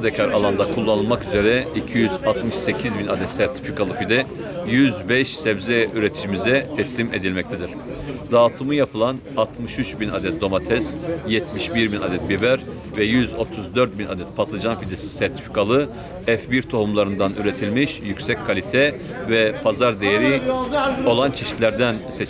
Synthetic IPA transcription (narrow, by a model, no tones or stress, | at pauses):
ad̪ɛcʰaɾa̰lˠand̪akʰulˠːanɯlˠmakyze̞ɾɛicʰijyzat̪mɯʃse̞cʰizbinad̪ɛt̪sæɾt̪ʰi̥fikʰalˠɯfid̪ɛjyzbɛʃsɛbzɛyɾet̪ʰi̥ʃimizɛt̪ʰɛslʲimed̪ilʲmɛct̪ʰɛd̪iɾ̥ | d̪aːt̪ʰɯmɯjapʰɯlˠan | at̪mɯʃyt͡ʃbina̰d̪ɛt̪̚d̪o̞mat̪ʰɛsjɛt̪miʃbiɾbina̰d̪ɛt̪̚bivæɾ | vɛjyzo̞t̪ʰuzd̪øɾt̪̚bina̰d̪ɛt̪̚pʰat̪lˠad͡ʒanfid̪esi̥sæɾt̪ʰi̥fi̥kʰalˠɯ | ɛfviɾt̪ʰohumlˠaɾɯnd̪anyɾet̪ʰilʲmiʃjycsɛcʲkʰalʲit̪ʰɛ | vɛpʰazaɾd̪ejeɾi | o̞lˠant͡ʃʰɛʃi̥t̪lʲæɾd̪ænsɛt͡ʃ